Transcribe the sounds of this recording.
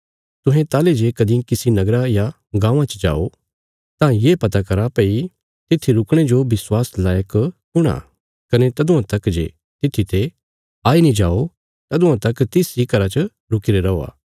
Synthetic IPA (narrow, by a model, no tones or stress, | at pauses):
t̪ʊ̃ɦẽt̪aːled͡ʒekɐd̪ĩkɪsinɐɡɾaja | ɡãːʋ̃ãt͡ʃd͡ʒa̰ːo | t̪ãːjeːpɐt̪akɐɾapei | t̪ɪt̪ʰːiɾʊkɽ̃ed͡ʒobɪswaːslaːjəkː | ʊɽ̃a̰ | kɐnet̪ɐd̪ʊ̃ãt̪ɐkd͡ʒḛ | t̪ɪt̪ʰːit̪ʰe | aːinĩd͡ʒaːo | t̪ɐd̪ʊ̃ãt̪ɐkt̪ɪsikɐɾat͡ʃə | ɾʊkɪɾeɾɐoːa̰ː